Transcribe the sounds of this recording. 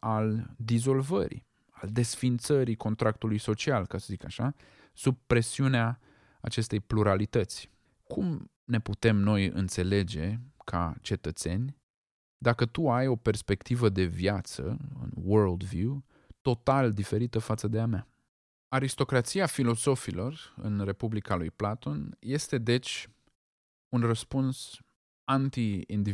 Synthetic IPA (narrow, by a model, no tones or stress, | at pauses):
ald̪izo̞lvə̰ɾḭ | ald̪e̞sfint̪səɾiko̞nt̪ɾak̚t̪ulujso̞t͡ʃialkasəzikaʃa | sub̚pːɾe̞siuneaː | t͡ʃe̞st̪e̞jpluɾalit̪ət̪sʲ | kʰum | ne̞put̪e̞mno̞jɨ̰nt̪se̞le̞d͡ʒe̞kʰa̰t͡ʃe̞t̪ət̪se̞nʲ | d̪akət̪uajo̞pe̞rspe̞kt̪ivəd̪e̞vjat̪sə̰ɨ̰nwəɾld̪vju | t̪o̞t̪ald̪ife̞ɾit̪əfat̪səd̪eama | aɾist̪o̞kɾat̪siafilo̞zo̞filo̞rɨ̰nre̞publikalujplat̪o̞nje̞st̪e̞d̪e̞t͡ʃʲ | unrəspuns | ant̪iind̪i